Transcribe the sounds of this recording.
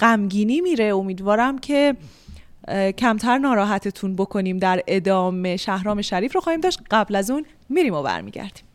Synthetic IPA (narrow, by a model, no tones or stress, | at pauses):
ɢ̥æmɟiːniːmiːɾe̞omiːd̪vɒːɾæmcʰe̞ | cʰæmt̪ʰæɾnɒːɾɒːɦæt̪ʰet̪ʰunbo̞kʰo̞niːmd̪æɾe̞d̪ɒːme̞ʃæhɾɒːme̞ʃæɾiːfɾoxɒːhiːmd̪ɒːʃt̪ɢæblæzuːn | miːɾiːmobæ̰ɾmḭːɟæ̰ɾd̪̥i̥ːm